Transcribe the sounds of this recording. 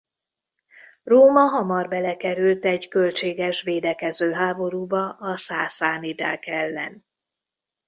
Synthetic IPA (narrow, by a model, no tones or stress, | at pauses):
roːmɒɦɒmɒrbɛlɛkɛɾylt̪ɛɟkølt͡ʃeːɡɛʃʋeːd̪ɛkɛzøːɦaːbo̞ɾuːbɒʔɒsaːsaːnid̪a̰ːkɛlːɛn